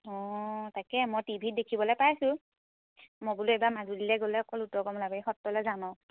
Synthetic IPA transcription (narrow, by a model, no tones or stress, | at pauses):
ɔtakɛmɔjtibʱit̚dekʰibɔlɔjpajsʊ̃ | mɔbuluebamazulilɛɡolɛɔkɔlutɔɡɔmlabaixɔtːɔlɔzanɔ